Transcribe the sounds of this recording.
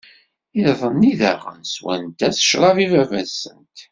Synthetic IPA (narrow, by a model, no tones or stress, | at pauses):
iðˤənːiðæʁə̰nswæ̰nt̪æsə̥ʃɾˤɑvivævæsənt̪